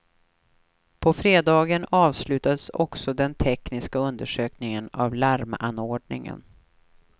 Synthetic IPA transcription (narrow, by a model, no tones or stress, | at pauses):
pʰɔfɾeːd̪ɑːɡənɑːvslʉ̟ːt̪ad̪əsɔksɔd̪ɛnt̪ʰɛknɪskaɵnd̪əʂøːknɪŋəna̰vlæɾma̰nːoːɖɳɪŋə̰n